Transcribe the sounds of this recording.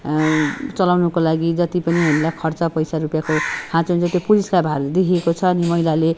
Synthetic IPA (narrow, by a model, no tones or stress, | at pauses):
t͡sʌlawnʌkolaɡid͡zʌt̪ipʌniɦamilajkʰʌrt͡sʌpʌjsaɾupjakohãt͡sond͡zʌt̪opuliskabʱard̪ekʰiekot͡sʰʌːnimʌɦilale